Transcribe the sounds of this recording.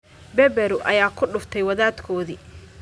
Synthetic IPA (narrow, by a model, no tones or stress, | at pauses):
bɛbɛɾʊʔɐjaːkʰʊɖʊft̪ʰɛjwɐðaːd̪kʰɔːðiː